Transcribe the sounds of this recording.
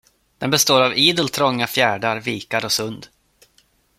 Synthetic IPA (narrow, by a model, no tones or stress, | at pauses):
d̪̥ɛnbɛst̪oːɾaviːd̪əlt̪ʰɾɔŋːafjæːɖaɾviːkaɾɔsɵnd̪